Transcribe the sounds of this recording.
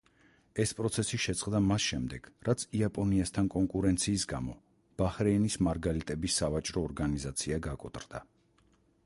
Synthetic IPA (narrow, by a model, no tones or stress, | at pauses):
ɛspʼɾɔt̪sʰɛsiʃɛt̪sʼqʼd̪amasʃɛmd̪ɛɡ̥ɾat̪sʰiapʼɔniast̪ʰankʼɔŋkʼuɾɛnt̪sʰiːsɡamɔ | b̥aχɾɛinismaɾɡaɾit̪ʼɛbisːavat͡ʃʼɾɔːɾɡanizat̪sʰiaɡakʼɔt̪ʼrd̪a